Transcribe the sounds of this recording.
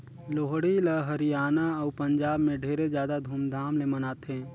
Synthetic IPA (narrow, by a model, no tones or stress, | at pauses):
loːɦɽiləɦəɾijaːnaɐːpə̃ɲd͡ʒaːbmẽɖʱeːɾezjaːd̪ad̪ʱuːmd̪ʱaːmlemɐnaːt̪ɦɛ̃ː